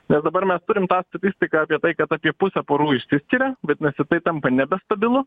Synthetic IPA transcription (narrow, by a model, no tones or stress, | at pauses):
nʲɛsd̪ɐbɐɾmʲɛst̪ʊɾʲɪmt̪ɑːst̪ɐt̪ʲɪsʲt̪ʲɪkɑɑːpʲiɛt̪ɐɪkɐt̪ɑːpʲiɛpʊsʲɛpoːɾuːɪʃʲsʲɪsʲkʲiɾʲɛbʲɛt̪nʲɛsʲɪt̪ɐɪt̪ɐmpɐnʲɛbʲɛst̪ɐbʲɪlˠʊ